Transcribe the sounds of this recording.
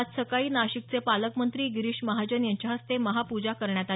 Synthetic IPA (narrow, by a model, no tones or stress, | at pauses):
t̪səkaiːnaɕik̚t͡sepaləkmənt̪ɾiːɡiɾiɕməɦad͡ʑənjaɲt͡ɕaɦəst̪eməɦapud͡ʑakəɾɳjat̪a